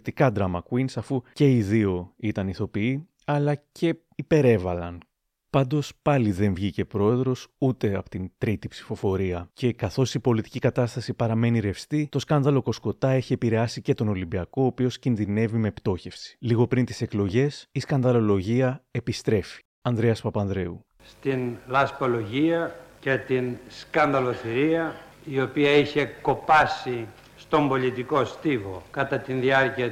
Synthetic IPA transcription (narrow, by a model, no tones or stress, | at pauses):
t̪ikɐd̪ɾɐmɐkwinsɐfuce̞iðio̞it̪ɐniθo̞pii | ɐlɐcʰe̞ | ipe̞ɾe̞vɐlɐn | pɐnd̪o̞spɐliðe̞ɱvʝice̞pɾo̞e̞ðɾo̞sut̪e̞ɐpot̪int̪ɾit̪ipsi̥fo̞fo̞ɾiɐce̞kɐθo̞sipo̞lit̪i̥cikɐt̪ɐst̪ɐsipɐɾɐme̞niɾe̞fst̪it̪o̞skɐnd̪ɐlo̞ko̞sko̞t̪ɐe̞çie̞piɾeɐsice̞t̪o̞no̞limbiɐko̞ːpio̞scinðine̞vime̞pt̪o̞çe̞fsi̥liɣo̞pɾint̪ise̞klo̞ʝe̞siskɐnd̪ɐlo̞lo̞ʝiɐe̞pist̪ɾe̞fi̥ | ɐnd̪ɾe̞ɐspɐpɐnd̪ɾe̞u | st̪inlɐspolo̞ʝiɐce̞t̪inskɐnd̪ɐlo̞θiɾiɐ | io̞piɐiçe̞ko̞pɐsi | st̪o̞mbo̞lit̪iko̞st̪ivokɐt̪ɐt̪inðiɐɾciɐ